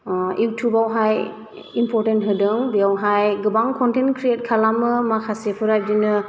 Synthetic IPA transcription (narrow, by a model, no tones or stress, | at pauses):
uwtʰjubawɦaj | impʰɔɾtentɦɯdɯŋbiawɦajɡɯbaŋkʰɔntenkʰɾiet̚kʰalamɯmakʰasepʰɯɾaj̚dinɯ